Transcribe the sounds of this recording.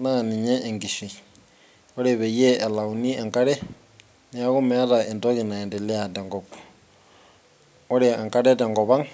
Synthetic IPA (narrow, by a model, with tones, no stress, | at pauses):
na˦˨ni˨ɲɛ˦ʔɛ˨ŋɡi˨ʃi˨ | ɔ˦ɾe˨βɛ˨jɛ˦ʔɛ˨la˨u˨ni˦ɛ˨ŋka˦ɾɛ˦ | nɛ˨a˦ɣu˦mɛ˦ɾa˨ɛ˨ndɔ˦ɣi˨na˨ɛ˨ndɛ˨lɛ˦a˨tɛ˨ŋɡɔ˨pu̥˨ | ɔ˦ɾe˨ɛ˨ŋka˦ɾɛ˦tɛ˨ŋɡɔ˨βa˦ŋ